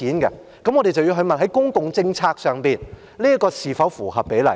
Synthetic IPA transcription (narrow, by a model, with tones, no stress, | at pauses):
iː˨˥nkɛ̰˧ | kɐ˨mŋɔː˨˧d̪e˨jt͡sɐ˨wji˧ɦɵ˧ɥmɐ˨nɦɐ˨˥jkʊ˥ŋkʊ˨ŋt͡sɪ˧ŋt͡sʰaː˧k̚sœː˨ŋpiː˨n | liː˥ɐ˥tkɔː˧siː˨˩fɐ˨˥wfuː˨˩hɐ˨p̚pe˨˥jlɐ̰˨˩